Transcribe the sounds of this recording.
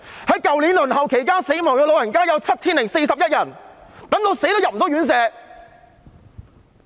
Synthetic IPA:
hɐ˨˥jkɐ˨wliː˨˥nlɵ˨˩nhɐ˨wkʰe˨˩jkaː˥nse˨˥jmɔː˨˩ŋkɔː˧lo˨˧wjɐ˨˩nkaː˥jɐ˨˧wt͡sʰɐ˥t̚t͡sʰiː˥nlɪ˨˩ŋse˧jsɐ˨p̚jɐ˥t̚jɐ˨˩nt̪ɐ˨˥ŋt̪o˧wse˨˥jt̪o˥wjɐ˨p̚m̩˨˩t̪ɔː˥jyː˨˥nsɛː˨˧

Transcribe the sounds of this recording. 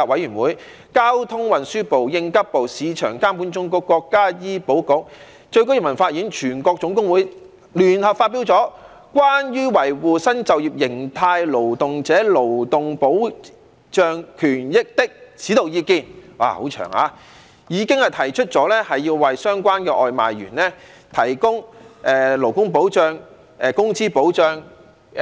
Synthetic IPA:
a˧wɐ˨˥jyː˨˩nwuː˨˥j | kaː˥wt̪ʰʊ˥ŋwɐ˨nsyː˥po˨wjɪ˧ŋkɐ˥p̚po˨wsiː˨˧t͡ʃʰœː˨˩ŋkaː˥mpu˨˥nt͡sʊ˥ŋkɔ˧˥kːɔː˧kːaː˥jiː˥po˨˥wkʊ˨˥k̚ | t͡ʃɵ˧ɥko˥ji˨˩mɐ˨˩nfaː˧t̚jiː˨˥nt͡ʃʰyː˨˩nkɔː˧k̚t͡sʊ˨˥ŋkʊ˥ŋwuː˨˥j | lyː˨˩nhɐ˨p̚faː˧t̚pi˨˥wt͡sɔː˨˥ | kʷaː˥njyː˥wɐ˨˩jwuː˨sɐ˥nt͡sɐ˨wjiː˨p̚jɪ˨˩ŋt̪ʰaː˧jlo˨˩wt̪ʊ˨ŋt͡sɛː˨˥lo˨˩wt̪ʊ˨ŋpo˨˥w | t͡ʃœː˧ŋkʰyː˨˩njɪ˥k̚t̪ɪ˥k̚t͡sʰi˨˥t̪o˨wjiː˧kiː˧nwa̰ː˧ho˨˥wt͡ʃʰœ̰ː˨˩ŋa̰ː˨˧ | jiː˨˧kɪ˥ŋhɐ˨jt̪ʰɐ˨˩jt͡ʃʰɵ˥t̚t͡sɔː˨˥lɛː˥hɐ˨jːiː˧wːɐ˨jsœː˥ŋkʷaː˥nkɛː˧ʔɔ̰ː˨˧jma̰ː˨jɥy̰ː˨˩nlɛ˥ | t̪ʰɐ˨˩jkʊ˥ŋʔɛː˨lo˨˩wkʊ˥ŋp̬o˨˥wt͡ʃœː˨ŋ | ɛː˨kʊ˥ŋt͡siː˥po˨˥wt͡ʃœː˨ŋ

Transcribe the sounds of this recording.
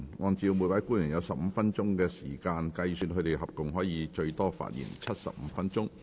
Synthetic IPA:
ŋʔɔː˧nt͡siː˧wmu˨˧jpaː˨˥kuː˥njy˨˩njɐ˨˧wsɐ˨p̚m̩˨˧fɐ˥nt͡sʊ˥ŋkɛː˧siː˨˩kaː˧nkɐ˧jsyː˧n̚kʰɵ˧t̪e˨jɦɐ˨p̚kʊ˨ŋɦɔː˨˥jiː˨˧t͡ʃɵ˧ɥt̪ɔː˥fa̰ː˧˨t̚jḭː˨˩nt͡sʰɐ˥t̚sɐ̰˨p̚m̩ː˨˧˥fɐ˥nt͡sʊ˥ŋ

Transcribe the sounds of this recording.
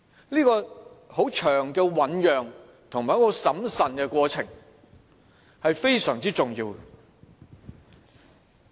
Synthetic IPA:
liː˥kɔː˧ho˨˥wt͡ʃʰœː˨˩ŋkɛː˧wɐ˨˥njœː˨ŋ | t̪ʰʊ˨˩ŋmaː˨˩jkːɔ˧sɐ˨˥msɐ˨nkɛ˧kʷɔː˧t͡sʰɪ˨˩ŋ | hɐ˨jfe˥jsœː˨˩ŋt͡siː˥t͡sʊ˨˩ŋjiː˧w

